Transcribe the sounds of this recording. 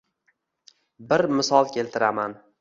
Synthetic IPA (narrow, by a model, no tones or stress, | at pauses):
bɪɾmɪsɒlˠkʲʰe̞lt̪ʰɪɾaman